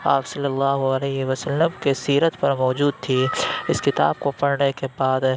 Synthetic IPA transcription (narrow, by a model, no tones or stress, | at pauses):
aːpsɐlːəlːaːɦuɐlɛɦʋɐsəlːəmkesiːɾət̪pɐɾmɔːd͡ʒuːd̪̚t̪ʰiɪskɪt̪a̰ːbkopɐɽnekebaːd̪